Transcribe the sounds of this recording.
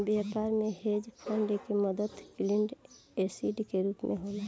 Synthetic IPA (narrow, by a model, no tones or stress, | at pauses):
bjaːpaːɾmẽhed͡ʒpʰãːɳɖekeməd̪əd̪klɪɳɖesiɖkeɾuːpmʔeɦoːle